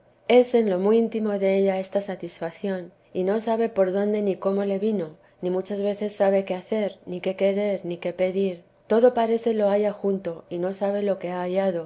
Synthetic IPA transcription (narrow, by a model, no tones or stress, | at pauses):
e̞se̞nlo̞miint̪imo̞ðe̞eʎae̞st̪asat̪isfaθjo̞n | ino̞saβe̞po̞ɾðo̞nd̪e̞niko̞mo̞le̞βino̞ | nĩmut͡ʃazβe̞θe̞sːaβ̞e̞keaθe̞ɾnike̞ke̞ɾe̞ɾnike̞pe̞ðiɾ | t̪o̞ðo̞paɾe̞θe̞lo̞aʝaxunt̪o̞ino̞saβ̞e̞lo̞ke̞aːʎað̞o̞